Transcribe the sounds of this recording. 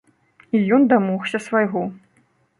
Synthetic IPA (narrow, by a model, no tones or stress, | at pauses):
ijɔnd̪amɔxsʲɐsvajɣɔ